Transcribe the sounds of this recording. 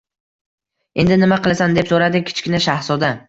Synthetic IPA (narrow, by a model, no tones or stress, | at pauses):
e̞nd̪ɪnɪmaqɨlˠasand̪e̞psoɾad̪ɪkʲʰɪ̥t͡ʃkʲɪnaʃahsɒd̪a